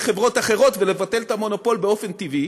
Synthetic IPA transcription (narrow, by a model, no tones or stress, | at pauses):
χe̞vʁo̞taχe̞ʁo̞t̪vele̞vat̪e̞lt̪amo̞no̞po̞lbe̞o̞fe̞nt̪ivi